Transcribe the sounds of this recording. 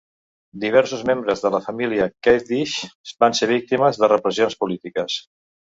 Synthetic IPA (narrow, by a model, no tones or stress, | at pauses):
d̪iβ̞ɛɾsuzmembɾəzðələfəmiliəkɛd̪iʃbanseβ̞ik̚t̪iməzðərəpɾəzionspulit̪ikəs